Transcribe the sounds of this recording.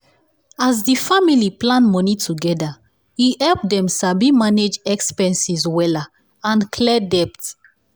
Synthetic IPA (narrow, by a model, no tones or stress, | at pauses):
azdifamiliplãnmɔnitʰuɡɛda | ihɛlpdɛ̃msabimaned͡ʒɛkspɛ̃nsizwɛla | ãnkʰlɛdɛpt